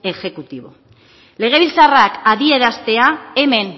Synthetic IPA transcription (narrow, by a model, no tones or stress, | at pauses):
e̞ʝe̞kut̪iβo̞̰ | le̞ɣ̞e̞β̞ilt͡sarakaðie̞ɾast̪e̞aeme̞n